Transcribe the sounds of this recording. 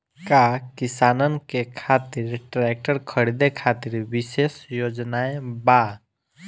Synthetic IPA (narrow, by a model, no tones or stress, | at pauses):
kakisanənkekʰat̪iɾʈɾek̚ʈəɾkʰəɽid̪ekʰat̪iɾbisesjod͡ʒnaeba